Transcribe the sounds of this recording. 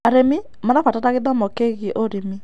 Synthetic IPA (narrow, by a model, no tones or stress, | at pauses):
aɾemi | mɔnafatataɣeðwamɔkeɣeʔoɾemi